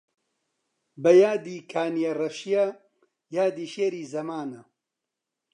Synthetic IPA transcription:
bɐjaːd̪iːkʰaːnijɐrɐʃijɐ | jaːd̪iːʃeːɾiːzɐmaːnɐ

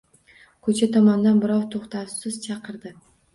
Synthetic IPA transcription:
kʲʰɵt͡ʃʰet̪ʰɒmɑnd̪ɑnbɪɾɑwt̪ʰoqt̪ɑwsɪzt͡ʃʰɑqəɾd̪ɨ

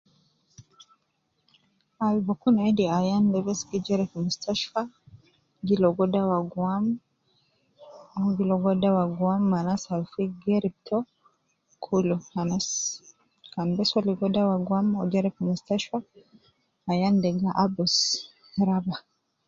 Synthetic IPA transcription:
alivɔkunaɛdiajandɛβɛsɡid͡ʒɛɾɛkmustaʃfa | ɡilɔɡɔdawaɡuam | ɔɡilɔɡɔdawaɡuamːanasafiɡɛɾip̚tʰɔ | kʰulɔanas | kambɛswaliɡɔdawaɡwamɔd͡ʒaɾɛkmustaʃwaː | jandɛɡaʔabɔs | ɾaba

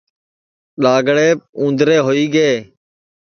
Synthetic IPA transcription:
ɗaːɡɽeːũːnd̪ɾeːɦoːiːɡeː

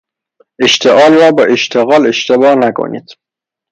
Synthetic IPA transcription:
eʃt̪ʰeʔɒːlɾɒːbɒːʔeʃt̪ʰeɣɒːleʃt̪ʰebɒːnækʰo̰nḭːd̪̥

